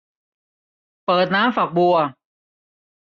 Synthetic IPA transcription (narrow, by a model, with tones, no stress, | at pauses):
pɤː˨˩t̪̚naː˦˥mfa˨˩k̚bu˧˩ə˩